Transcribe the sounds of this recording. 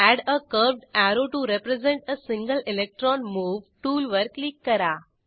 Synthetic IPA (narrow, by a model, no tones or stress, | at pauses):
æɖəkəɾʋɖæɾoʈuɾepɾezẽɳʈəsĩŋɡəlelek̚ʈɾɔnmuːʋʈuːlʋəɾklikːəɾa